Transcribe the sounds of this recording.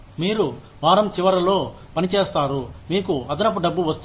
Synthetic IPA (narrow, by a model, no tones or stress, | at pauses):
miːɾu | ʋaːɾɐmt͡ʃiʋɐɾɐlo̞ː | pɐnit͡ʃeːst̪aːɾumiːkuɐd̪ɐnɐp̬uɖɐbːuʋɐst̪u